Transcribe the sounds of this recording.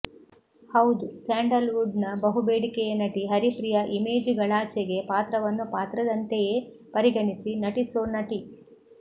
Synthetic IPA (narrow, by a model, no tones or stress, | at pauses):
hɐwd̪usaːɳɖɐlʋuɖnɐbɐɦubeːɽikejɐnɐʈiɦɐɾipɾijɐʔime̞ːd͡ʒɡɐɭaːt͡ʃeɡe̞paːt̪ɾɐʋɐnːupaːt̪ɾɐd̪ɐnt̪ejeː | pɐɾiɡɐɳisinɐʈisoːnɐʈi